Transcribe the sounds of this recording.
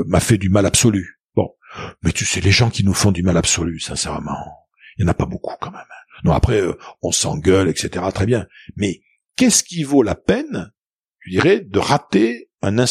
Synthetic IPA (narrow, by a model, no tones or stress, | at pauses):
mafɛd̪ymalabsɔly | b̥ɔ̰̃ | mɛt̪ysɛleʒɑ̃kʲinufɔ̃d̪ymalabsɔlysɛ̃sɛʁmɑ̰̃ | ijljɑ̃napabokʰu̥kɑ̃mɛmnɔ̃a̰pχɛøɔ̃sɑ̰̃ɡʲœlɛkset̪eʁat̪χɛbjɛ̃ | mɛ | kʲɛskʲivolapɛn | t̪yd̪iʁɛd̪əʁat̪eɛ̃nɛ̃